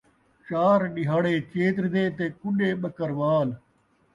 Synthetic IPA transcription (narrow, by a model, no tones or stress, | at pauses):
t͡ʃaːɾɗɪɦaːɽeːt͡ʃeːt̪ɾd̪eːt̪eːkʊɗeːɓəkəɾʋaːl